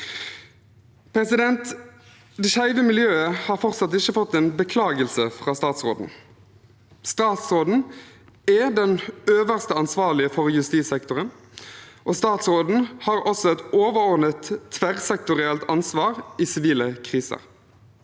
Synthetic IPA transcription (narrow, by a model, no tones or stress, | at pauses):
pʰɾɛsɪd̪ɛnt̪ | d̪ɛʃæɪʋəmɪljøːəhɑːɾfɔʁt̪sɑt̪ɪçəfɔt̪ːɛːnbəkʰlɑːɡəlsəfʁɑːst̪ɑːt̪sʁo̰ːd̪n̩ | st̪ɑːt̪sʁoːd̪n̩ | ɛd̪ɛnøːʋəʁst̪əɑnsʋɑːʁlɪəfɔʁjʉst̪iːsɛkt̪ʊʁən | ʔoːst̪ɑːt̪sʁoːd̪n̩hɑːɾɔsɔɛt̪oːʋəʁɔʁd̪nət̪ʰːʋæʁsɛk̚t̪ʊʁɪɛlt̪ɑnsʋɑːʁiːsɪʋiːləkʰʁiːsə̰ʁ